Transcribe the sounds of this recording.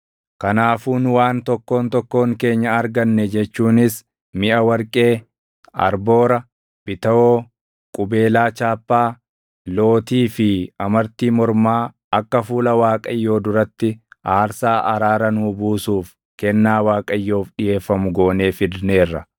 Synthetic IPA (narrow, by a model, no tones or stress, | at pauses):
kɐnaːfuːnwaːnt̪ɔkːo̞ːnt̪ɔkːo̞ːŋke̞ːɲːɐɐɾɡɐnːɛd͡ʒɛt͡ʃːuːnɪs | mɪʔɐwɐɾkʼe̞ː | ɐ̰ɾbo̞ːɾɐ | b̥ɪt̪ɐoː | kʼʊbe̞ːlaːt͡ʃaːpːaː | lo̞ːt̪iːfɪɐmɐɾt̪iːmɔɾmaː | ɐkːɐfuːlɐwaːkʼɐjːo̞ːd̪ʊɾɐt̪ːɪaːɾsaːʔɐɾaːɾɐnuːbuːsuːf | kɛnːaːwaːkʼɐjːo̞ːfɗɪje̞ːfːɐmʊɡoːne̞ːfɪd̪ne̞ːrːɐ̰